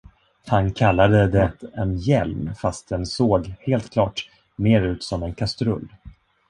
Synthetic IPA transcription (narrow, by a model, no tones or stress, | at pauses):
hankʰalːad̪əd̪ɛt̪ɛnjɛlmfast̪̚d̪ɛnsoːɡheːlt̪kʰlɑːʈ | meːɾʉ̟ːt̪sɔmɛnkʰast̪ɾɵ̰lː